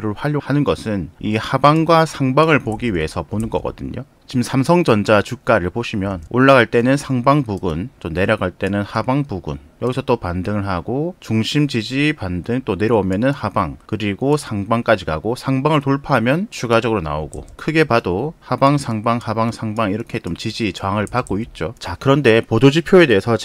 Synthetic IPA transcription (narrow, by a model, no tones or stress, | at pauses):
ɾɯɭɸwaʎːohanɯnɡʌsʰɯnihabaŋɡwasʰaŋbaŋɯɭpoɡiɥie̞sʰʌponɯnɡʌ̰k͈ʌdɯ̰ɲo̰ | t͡ɕimsʰamsʰʌŋd͡ʑʌnd͡ʑat͡ɕuk͈aɾɯɭpoɕʰimjʌnoɭːaɡaɭt͈e̞nɯnsʰaŋbaŋpuɡunt͡ɕ͈omne̞ɾjʌɡaɭt͈e̞nɯnhabaŋpuɡṵn | jʌɡisʰʌt͈opandɯŋɯɭɦaɡot͡ɕuŋɕʰimt͡ɕid͡ʑipandɯŋt͈one̞ɾjʌomjʌnɯnhabaŋkɯɾiɡosʰaŋbaŋk͈ad͡ʑiɡaɡosʰaŋbaŋɯɭtoɭpʰaɦamjʌnt͡ɕʰuɡad͡ʑʌɡɯɾona̰oɡo̰kʰɯɡe̞padohabaŋsʰaŋbaŋhabaŋsʰaŋbaŋiɾʌkʰe̞t͡ɕomt͡ɕid͡ʑit͡ɕʌaŋɯɭpak̚k͈oit̚t͡ɕ͈ot͡ɕakɯɾʌnde̞podod͡ʑipʰjoe̞de̞ːsʰʌ